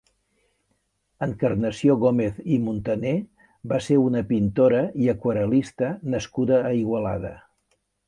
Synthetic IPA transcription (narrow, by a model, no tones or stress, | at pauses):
əŋkərnəsioɣomeθimunt̪əne | baseɾunəpint̪oɾəiəkwəɾəlist̪ənəskuðəːiɣwəla̰ðə̰